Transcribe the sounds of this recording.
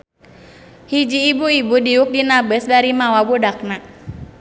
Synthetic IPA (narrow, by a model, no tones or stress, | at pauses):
hid͡ʒiːbuibudiuk̚dinabəsdaɾimawawudak̚naʔ